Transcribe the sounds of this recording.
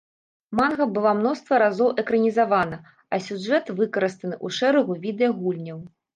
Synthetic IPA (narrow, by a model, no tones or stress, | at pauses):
manɣɐbɨlˠamnɔst̪vɐɾazɔwʔɛkɾɐnʲizavanɐ | ɐsʲuʐɛt̪vɨkɐɾɨst̪ɐnɨʔuʂɛɾɐɣuvʲid̪ɛjɐɣulʲnʲɐw